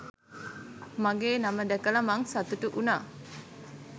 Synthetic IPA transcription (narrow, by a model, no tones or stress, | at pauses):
maɡeːnaməd̪ɛkələmaŋsat̪uʈuʔunaː